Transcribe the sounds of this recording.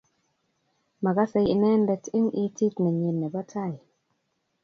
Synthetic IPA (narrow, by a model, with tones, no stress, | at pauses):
ma˨ɡa˦sɛ˧i˨nɛ˦ndɛ˨tɪ˦ŋi˦ti˦tnɛ˨ɲi˨nːɛ˨bɔ˦tʰa˦˨j